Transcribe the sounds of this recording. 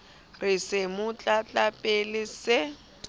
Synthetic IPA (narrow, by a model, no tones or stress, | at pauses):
rɪsɪmʊt͡ɬʼat͡ɬʼapʼelɪsɪ